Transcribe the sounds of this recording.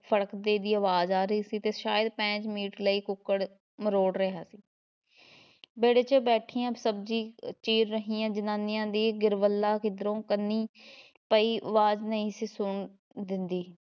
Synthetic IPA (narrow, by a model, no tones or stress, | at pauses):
pʰəɽəkd̪eːd̪iːəʋaːzaːɾəiːsiːt̪eːʃaːjəd̪pɛ̃ːt͡ʃmiːʈləiːkʊkːəɽ | məɾoːɽɾəɦaːsiː | beːɽeːt͡ʃəbɛːʈʰiːãːsəbd͡ʒiːt͡ʃiːɾːəɦiːãːd͡ʒənaːnɪjãːd̪iːɡɪɾʋəlːaːkɪd̪əɾõːkənːiː | pəiːʔʋaːznəĩːsiːsʊɳ | d̪ɪnd̪iː